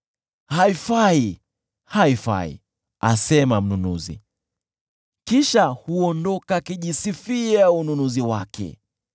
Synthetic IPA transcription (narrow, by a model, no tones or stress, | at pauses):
haifai | haifa̰ḭ | a̰sɛmam̩nunuzḭ | kiʃahuɔndɔkakiʄisifiaununuziwakʰɛ̰